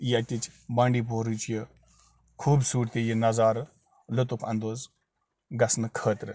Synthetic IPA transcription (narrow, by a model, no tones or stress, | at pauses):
iɐtʲit͡ʃbãːɳɖiːpoːɾut͡ʃʰjə | kʰuːbsuːʈt̪ijinɐzaːɾ | lʊt̪ukʰɐ̰nd̪oːz | ɡɐsnɨkʰəːt̪ɾɨ